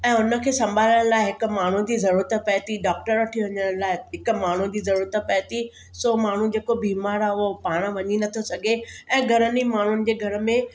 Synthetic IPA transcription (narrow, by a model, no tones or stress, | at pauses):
ɛ̃ːʊnə̆kʰeːsɐ̃mbʱaːləɽ̃əlaːɪɦɪkʊ̆maːɳ̤ũd͡ʑiːzɐɾuːɾət̪pɛɦt̪iɖaːk̚ʈəɾʋɐʈʰiʋɐɲəɽ̃laːɪɦɪkʊ̆maːɳ̤ũd͡ʑiːzɐɾuːɾət̪əpɛɦt̪i | soːmaːɳ̤ũd͡ʑeːkobiːmaːɾaːʊɦopaːɽ̃ə̆ʋɐɲinɐt̪ʰosɐɡʱeɛ̃ːɡʱɐɾənimaːɳ̤ʊnɪ̆d͡ʑeːɡʱɐɾə̆mẽ